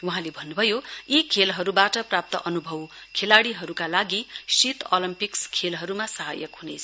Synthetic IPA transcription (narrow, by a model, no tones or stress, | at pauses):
wuɦãlebʱʌnːubʱʌjoikʰelɦʌɾubaʈʌprap̚t̪ʌʔʌnubʱʌwkʰelaɽiɦʌɾukalaɡisit̪olimpikskʰelɦʌɾumasʌɦa̰jʌ̰kɦunḛt͡sʰʌ